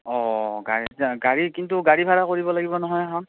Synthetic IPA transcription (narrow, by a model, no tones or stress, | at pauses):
ɔɡa̰ɹiɡaɹikintuɡaɹibʱaɹakoɹibɔlaɡibɔnɔɦɔjaɦɔ̃n